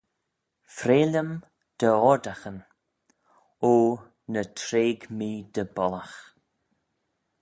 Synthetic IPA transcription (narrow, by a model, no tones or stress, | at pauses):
fɾeːlʲəm | d̪̥əɔɹd̪axən | oː | nət̪ʰɾeːɡmiːd̪əbɔlax